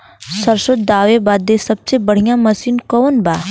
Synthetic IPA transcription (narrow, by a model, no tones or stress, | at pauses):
sɐɾʃʊt̪̚d̪aːʋebaːd̪esɐbsebɐɽ̤ijãmɐsiːnkɔːnbaː